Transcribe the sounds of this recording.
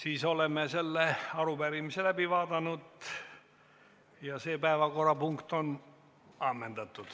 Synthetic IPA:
siːso̞lemːese̞lːeɑɾubæɾimiselæbiʋɑːd̪ɑnud̪ | jɑseːpæevɑko̞rɑpuŋkt̪on | ɑmːend̪ɑt̪ːˑud̪̥

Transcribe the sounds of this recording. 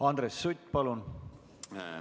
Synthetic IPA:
ɑnd̪̥ɾesːut̪ʲːpɑlun

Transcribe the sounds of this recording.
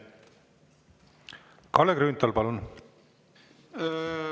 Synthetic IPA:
kɑlekɾyːnt̪ːɑlpɑlun

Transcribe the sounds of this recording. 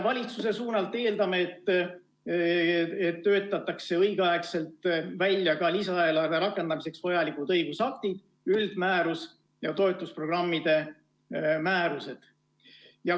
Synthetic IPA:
vɑlʲit̪suse̞suːnɑlt̪ːˑe̞ːld̪ɑme̞ːt̪ːˑ | et̪ːø̞ːt̪ːˑɑt̪ːˑɑkse̞ɤjɡ̥ɑekse̞lt̪ˑvælʲjɑkɑlisɑelɑrd̪e̞ɾɑkːˑe̞nd̪̥ɑmise̞ksvojɑlikud̪ɤjɡ̥usɑkt̪id̪̥ | yld̪̥mæːɾus | jɑt̪o̞et̪ːˑuspro̞ɡrɑmːid̪e̞ | mæːɾuse̞d̪̥ | jɑ

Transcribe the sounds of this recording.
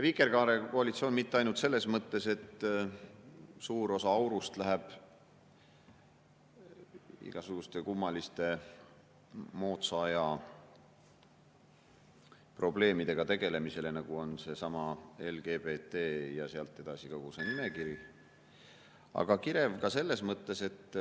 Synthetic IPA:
jɑvikːˑe̞rkɑːɾeko̞ɑlit̪sio̞ːnmit̪ːeɑjnult̪se̞lːe̞smɤt̪ːe̞se̞t̪ː | suːɾo̞sɑɑwɾust̪læɦeb̥ | ḭɡ̥ɑsuɡ̥ust̪e̞kumːɑlist̪e̞ | mo̞ːt̪sɑɑjɑ | pro̞ble̞ːmid̪̥e̞ɡ̥ɑt̪e̞ɡ̥e̞le̞mise̞le̞nɑɡ̥uo̞nse̞sɑmɑe̞lɡ̥e̞ːbe̞ːt̪e̞ːjɑseɑlt̪ːˑe̞d̪̥ɑsikoɡusenime̞kiɾi | ɑ̰ɡ̥ɑkiɾe̞vkɑse̞lːe̞smɤt̪ːe̞se̞t̪ː

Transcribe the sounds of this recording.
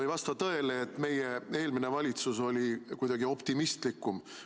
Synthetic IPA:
ɤjvɑst̪ɑt̪ɤ̞e̞leːt̪ːˑme̞jee̞ːlmine̞vɑlʲit̪suso̞lʲikujd̪ɑɡio̞pt̪imist̪likːˑum

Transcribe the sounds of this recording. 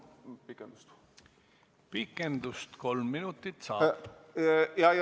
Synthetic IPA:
pikːˑend̪u̥st̪ | pikːˑend̪ust̪ko̞lmːinut̪ːˑit̪sɑ̰ː | jɑj

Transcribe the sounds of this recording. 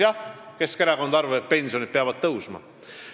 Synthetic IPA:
jɑke̞skeɾeɡo̞nd̪ɑrveet̪̚pe̞nʲsio̞nid̪̚peɑvɑd̪̥̚t̪ɤwsmɑ̰

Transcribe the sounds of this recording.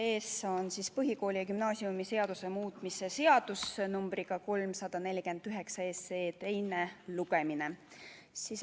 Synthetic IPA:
eːso̞nsispɤɦiko̞ːlʲiɑkymnɑːsiumise̞ɑd̪̥use̞muːt̪ˑmisese̞ɑd̪̥usnumb̥riɡ̥ɑko̞lmsɑd̪̥ɑne̞lʲike̞nd̪̥yɦe̞ksɑe̞ːseːt̪e̞jne̞luɡ̥e̞mine | sis

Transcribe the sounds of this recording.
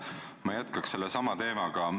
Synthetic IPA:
mɑjæt̪kɑkse̞lːesɑmɑt̪e̞ːmɑɡ̥ɑ

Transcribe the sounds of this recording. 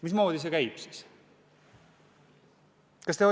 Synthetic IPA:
mismo̞ːd̪̥is̬e̞kæjb̥si̥s | kɑst̪eo

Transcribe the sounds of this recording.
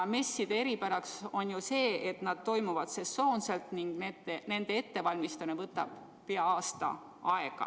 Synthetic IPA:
me̞sːid̪̥e̞e̞ɾipæɾɑkso̞njuse̞ːet̪nɑd̪̥̚t̪o̞jmuvɑd̪̥se̞so̞ːnse̞lt̪niŋɡ̥net̪ːene̞nd̪̥e̞e̞t̪ːe̞vɑlʲmist̪ɑnevɤt̪ːˑɑb̥ | peɑɑːst̪ɑ̰ | ɑe̞ɡ̥ɑ̰

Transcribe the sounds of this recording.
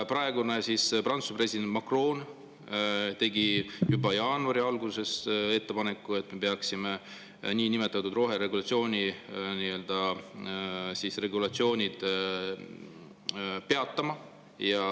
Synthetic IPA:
prɑe̞ɡ̥unesisprɑnt̪supre̞sʲid̪̥e̞nt̪mɑkro̞ːn | t̪e̞ɡijubɑjɑːnuɑɾiɑlɡ̥use̞se̞t̪ːe̞pɑne̞kːˑue̞t̪ːme̞pe̞ɑksime | niːnime̞t̪ːˑɑt̪ːˑud̪ro̞ɦe̞ɾe̞ɡulɑt̪sio̞ːnʲiniːø̞ld̪̥ɑ | sisre̞ɡulɑt̪sio̞ːnʲid̪̥ | pe̞ɑt̪ːɑmɑ | jɑ

